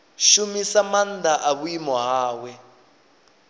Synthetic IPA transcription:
ʃumisamand̪aʔaβuimɔɦaːwɛ

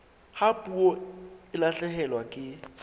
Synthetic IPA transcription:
hapʼuɔɪlaɬɛhɛlwakʼɪ

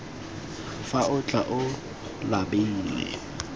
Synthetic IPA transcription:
faʊt͡ɬʼaʔʊ | labɪŋ̩lɛ̰

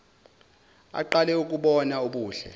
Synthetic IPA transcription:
a̰ǃalɛuk̬ʼuɓɔnaoɓuːɬɛ̰

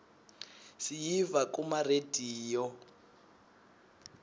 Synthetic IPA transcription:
sijivakumarediːjɔ

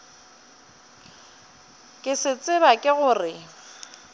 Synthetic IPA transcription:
kʼɪsɪt͡sʼɪbakʼɪɣʊːrɪ

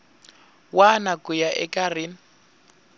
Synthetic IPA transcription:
wanakujaʔɛ̰karin

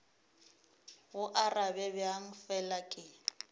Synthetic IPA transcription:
ɣʊʔarabɛbɛaŋ̩fɛlakʼɪ

